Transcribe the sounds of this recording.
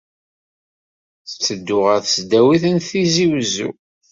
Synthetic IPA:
θə̥t͡sːəd̪ːʊʁəɾθəsd̪æwiθənθiziwzṵ

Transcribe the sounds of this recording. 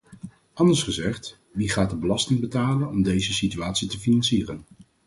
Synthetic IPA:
ʔɑndəɹsχəzɛχt | ʋiχaːt̚dəbəlɑstɪŋbətaːlənɔmdejzəsityaːtsitəfinɑnsiːrən

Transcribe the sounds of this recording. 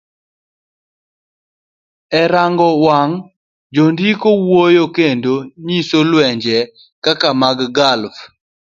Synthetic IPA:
ɛɾaŋɡɔwaŋ | d͡ʒondikowojokendoɲisolwɛɲd͡ʒɛ | kakamaɡɡalf

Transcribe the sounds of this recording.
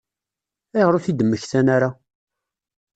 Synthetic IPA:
æjʁɾʊθid̪əmːəçθænaɾa

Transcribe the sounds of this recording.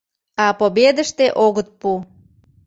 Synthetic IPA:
ɑpobed̪əʃt̪eʔoɣət̪̚pu

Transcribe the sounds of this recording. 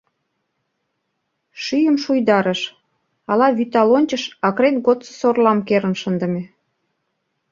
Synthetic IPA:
ʃyjəmʃujd̪ɑɾəʃ | ɑlɑβyt̪ɑlonʲt͡ɕəʃɑkɾet̪ɡot̪t͡sə̥sorlɑmkeɾə̆nʃənd̪ə̆me

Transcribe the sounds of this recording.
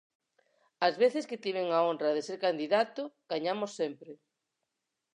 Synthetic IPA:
azβeθɪskɪt̪iβ̞eŋaonrɐðeseɾkand̪iðat̪ʊɡ̥aɲamosːempɾɪ

